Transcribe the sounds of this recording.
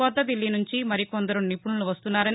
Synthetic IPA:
ɔːd̪ɐd̪ilːinuɲt͡ʃimɐɾikond̪ɐɾunipuɳuluʋɐst̪unːaːɾɐn

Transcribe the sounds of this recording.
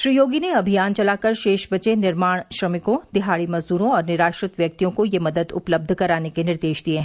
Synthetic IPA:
ʃɾijoːɡineɐbʱijaːnt͡ʃɐlaːkɐɾʃeːʃbɐt͡ʃenɪɾmaːɽ̃ʃɾɐmɪkõd̪̥ɪɦaːɽimɐzd̪uːɾõɔːɾnɪɾaːʃɾɪt̪ʋjɐk̚t̪ijõkojemɐd̪əd̪ʊ̰pləb̚d̪ʱkɐɾaːnekenɪɾd̪eːʃd̪ieɦɛ̃

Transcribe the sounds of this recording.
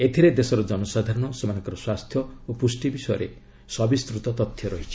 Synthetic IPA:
et̪ʰiɾed̪esɔɾɔd͡ʒɔnusad̪ʱaɾɔɽ̃ɔsɔmañŋkɔɾɔswast̪ʰjɔopusʈibisɔjɔɾḛ | sɔbist̪ɾut̪ɔt̪ɔt̪ʰːjɔɾɔɦit͡ʃʰi̥

